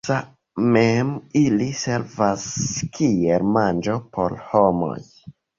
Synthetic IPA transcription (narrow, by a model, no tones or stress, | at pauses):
sa | memilise̞ɾvaskʰieɾmand͡ʒo̞pʰo̞̰ɾhomo̰j